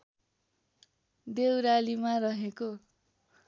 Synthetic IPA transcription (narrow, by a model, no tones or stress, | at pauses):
d̪ewɾalimarʌɦeko